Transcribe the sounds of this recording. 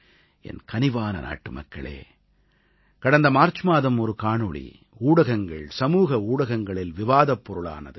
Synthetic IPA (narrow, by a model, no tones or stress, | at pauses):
ɛ̰nkɐnɪʋaːnɐ̰na̰ːʈːɯmɐ̰kːɐ̰ɭḛː | kɐɽɐnd̪ɐmaːɾt͡ʃɯmaːðɐmɔɾɯkaːɳɯɭḭ | uːɽɐɣɐŋɡɐɭsɐmuːɣɐuːɽɐɣɐŋɡɐɭɪlʋɪʋaːðɐpːɔɾɯɭa̰ːnɐðɯ